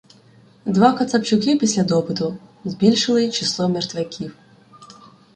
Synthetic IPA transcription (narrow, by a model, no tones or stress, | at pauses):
d̪ʋɑkɐt̪sɐpt͡ʃʊkɪpʲisʲlʲɐd̪ɔpɪt̪ʊzbʲilʲʃɪlˠɪt͡ʃɪslˠɔmert̪ʋʲɛkʲʰiw